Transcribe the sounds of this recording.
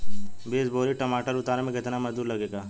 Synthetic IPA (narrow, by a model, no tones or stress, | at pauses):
beːsboːɾiʈɐmaːʈəɾʊt̪aːɾemẽkɪt̪namɐzd̪uːɾlɐɡeːɡaː